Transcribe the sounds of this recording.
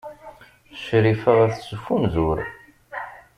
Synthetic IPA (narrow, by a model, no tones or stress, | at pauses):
ʃɾifəʁæθsufunzʊɾ